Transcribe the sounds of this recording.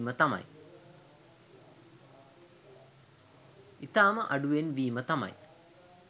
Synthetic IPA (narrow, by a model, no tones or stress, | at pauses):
mət̪amɐ̰j | it̪aːməʔɐɖuʋenʋiːmət̪amɐ̰j